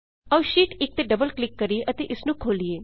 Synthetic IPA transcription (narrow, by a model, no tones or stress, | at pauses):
ɐʃiːʈɪk̚t̪eːɖəbəlklɪkːəɾieʔət̪eːʔɪsnũːkʰoːlieː